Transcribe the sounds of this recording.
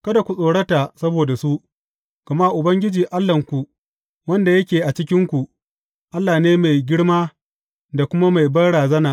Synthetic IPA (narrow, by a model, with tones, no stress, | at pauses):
kɐ˦da˨kʷu˨sʼoː˨ɽɐ˦ta˨sɐ˦boː˨da˨su˦ʔ | ɡ̥ɐ˨ma˦ʔʊ˨bɐ˦ŋɡʲɪ˦d͡ʒiː˨ʔa˦lːɐ˨ŋkʷu˨ | wɐ˦nda˨jɐ˦kʲeː˨ʔa˨t͡ʃɪ˦kʲɪ˦ŋkʷu˨ʔ | ʔa˦lːaː˨neː˦ma˨jɡʲɪ˦ɽmaː˦ | da˨kʷʊ˦ma˦ma˨jbɐ˦ɽaː˨zɐ˦naː˨ʔ